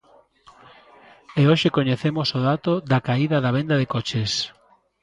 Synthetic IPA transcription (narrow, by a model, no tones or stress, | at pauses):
eoʃekoɲeθemosoðat̪oðɐkaiðɐðɐβ̞end̪ɐðekot͡ʃes